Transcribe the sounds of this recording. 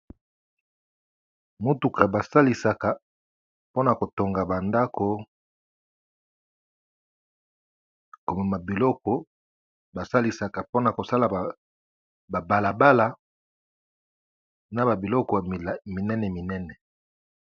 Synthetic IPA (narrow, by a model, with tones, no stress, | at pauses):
mo˦tu˨ka˨ba˨sa˦li˨sa˨ka˨ | po˦na˨ko˨to˨ŋɡa˨ba˨nda˦ko˨ | ko˨ma˨ma˨bi˨lɔ˦kɔ˨ | ba˨sa˦li˨sa˨ka˨po˦na˨ko˨sa˦la˨ | ba˨ba˨la˨ba˦la˨ | na˨ba˨bi˨lɔ˦kɔ˨mi˨nɛ˦nɛ˨mi˨nɛ˦nɛ˨